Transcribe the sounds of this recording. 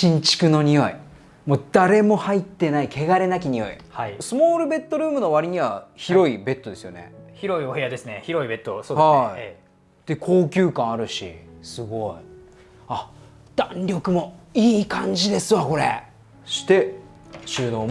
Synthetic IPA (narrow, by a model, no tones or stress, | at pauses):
ɕĩɲt͡ɕi̥kɯ̟no̞ɲ̟ijo̞i | moːd̪aɾe̞mo̞hait̪ːe̞naike̞ɡaɾe̞nak̬ʲiɲ̟ijo̞̰ḭhaisɨmoːɾɯ̟be̞t̪ːo̞ɾɯ̟ːmɯ̟no̞βaɾʲiɲ̟iβaçiɾo̞ibe̞t̪ːo̞d̪e̞sɨjo̞̰ne̞̰çiɾo̞ioɦe̞jad̪e̞sɨneçiɾo̞ibe̞t̪ːosoːhai | d̪̥e̞kʰo̞ːkʲɨːkãɰ̃aɾɯ̟ɕḭsɨɡo̞i | a | d̪̥ãnɾʲo̞kɯ̟mo̞iːkãɲ̟d͡ʑid̪e̞sɨβako̞ɾe̞̰ | ɕi̥t̪e̞ | ɕɨːnoː